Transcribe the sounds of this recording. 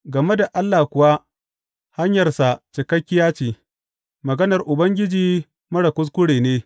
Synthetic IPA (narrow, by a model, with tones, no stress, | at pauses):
ɡɐ˨me˦da˨ʔa˦lːaː˨kʷʊ˨wa˦ | ha˦ɲjɐ˨rsa˨t͡ʃɪ˨kɐ˦kʲːɪ˦jaː˦t͡ʃiː˨ | mɐ˨ɡɐ˦nɐ˨rʔʊ˨bɐ˦ŋɡʲɪ˦d͡ʒiː˦ | mɐ˦ɽa˨kʷʊ˦s̬kʷʊ˦ɽeː˨neː˦